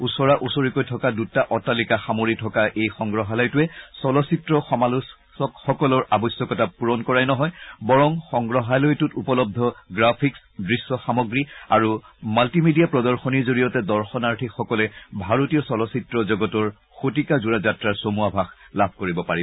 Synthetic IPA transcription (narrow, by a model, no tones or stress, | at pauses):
usɔɹaʔusoɹikojtʰɔkadutaʔɔtalikaxamoɹitʰɔkaʔejxɔŋɡɹɔɦalɔjtuɛsɔlɔsitɹɔxɔmalus | ɔkxɔkɔlɔɹabɔjsjɔkɔtapuɹɔnkɔɹajnɔɦɔjbɔɹɔŋxɔŋɡɹɔɦalojtutupɔlɔb̚d̪ʱɔɡɹapʰiks | dɹisːɔxamɔɡɹiaɹumaltimidiapɹɔdɔɹxɔniɹzoɹijɔtɛdɔɹxɔnaɹtʰikxɔkɔlɛbʱaɹotijɔsɔlɔsitɹɔzɔɡɔtɔɹ | xotikazuɹazatɹaɹsomuabʱaxlabʱkoɹibɔpaɹibɔ